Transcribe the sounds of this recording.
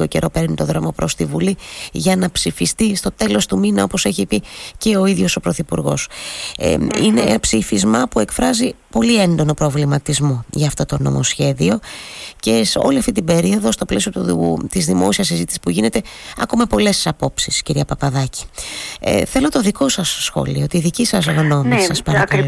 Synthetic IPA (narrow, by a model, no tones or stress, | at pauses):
oce̞ɾʔo̞pe̞ɾnit̪o̞ðɾo̞mopɾo̞st̪ivuliʝɐnɐpsifist̪ist̪o̞t̪e̞lo̞st̪uminɐo̞po̞se̞çipice̞o̞iðʝo̞so̞pɾoθipuɾɣo̞̰s | ine̞̰psifizmɐpue̞kfɾɐzipo̞lie̞nd̪o̞no̞pɾo̞vlimɐt̪izmo̞ʝɐːft̪o̞t̪o̞no̞̰mo̞sçe̞ðio̞ce̞so̞̰liɐft̪it̪ibeɾio̞ðo̞st̪o̞ple̞sio̞t̪uut̪izðimo̞siɐs̬izit̪i̥si̥spuʝine̞t̪e̞ɐ̰komepo̞le̞ssɐpo̞psisciɾiɐpɐpɐðɐci̥̰ | θelo̞t̪o̞ðiko̞sɐsːxo̞̰liot̪iðicisɐs̬oɣno̞nisɐspɐɾɐkɐlo